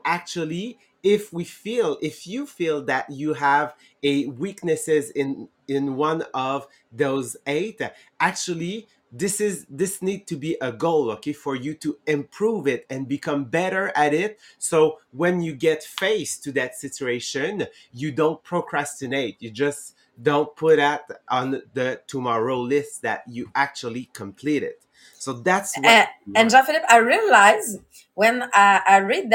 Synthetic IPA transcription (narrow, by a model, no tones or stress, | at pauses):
ʔæk̚t͡ʃul̩ˠi | ɪfwifilˠɪfjɨfilˠðɨt͡ʃɨəv | ɨwiknɨsɪzɪ̃n | ɪ̃nwʌ̃nʌv | ðoʊzeɪt | æk̚t͡ʃʉl̩ˠi | ðɪsɪzðɪsnid̚tʰɨbiʔəɡoʊlˠoʊkʰeɪfə˞jɨɾɨɪ̃mpʰɹ̥uvɪɾɨ̃nbɨkʰʌ̃mbɛɾə˞ʔɨɾɪt̚soʊwɨ̃njɨɡɛtfeɪstʰɨðɨtsɪt͡ʃʉeɪʃɨ̃n | jɨdõʊ̃nt̚pʰɹ̥okʰɹ̥æstɨneɪt̚jɨd͡ʒʌs | d̥õʊ̃nt̚pʰʊɾɨɾʔnðɨtʰumɑɹoʊlɪstsðɨ̰t͡ʃɨʔæk̚t͡ʃul̩ˠikʰɨ̃mpʰl̥iɾɪ̰t̚ | soʊðætswɨ̃nd͡ʒɑ̃nfɪlɪpaɪɹiəlaɪz | wɨ̃naʔaɪɹid̪̚ð